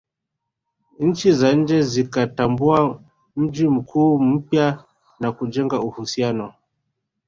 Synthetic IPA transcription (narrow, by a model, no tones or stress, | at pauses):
ɲ̩t͡ʃizaɲ̩d͡ʒɛzikatambua | m̩d͡ʒim̩kʰuːm̩pja | nakud͡ʒɛŋɡauhusianɔ